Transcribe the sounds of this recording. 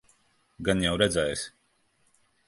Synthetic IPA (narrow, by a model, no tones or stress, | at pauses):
ɡanjawɾɛd̪zɛjsʲ